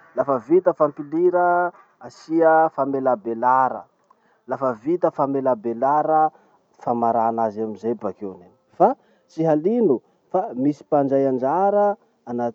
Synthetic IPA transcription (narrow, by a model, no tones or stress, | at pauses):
lafəvit̪əfampiliɾə | asiəfamelabelaɾə̰ | lafəvit̪əfamelabelaɾə | famaɾanazamizebakeneni̥fa | t͡siɦalinu | famisi̥pand͡ʒajand͡ʒaɾəː | na